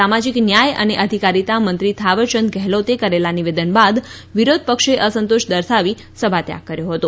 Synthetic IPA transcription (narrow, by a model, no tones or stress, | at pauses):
amad͡ʒiknjajə̰neʔəd̪ʱikaɾit̪amənt̪ɾit̪ʰaʋəɾt͡ʃənd̪̚ɡɛɦlot̪ekəɾelaniʋed̪ənbad̪ | ʋiɾod̪̚ʱpəkʃeʔəsənt̪oʃd̪əɾsʰaʋi | səbʱat̪ja̰kːəɾjoɦət̪o